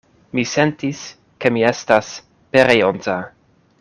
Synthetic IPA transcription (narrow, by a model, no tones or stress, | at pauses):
mise̞ntis | kemie̞stas | peɾejonza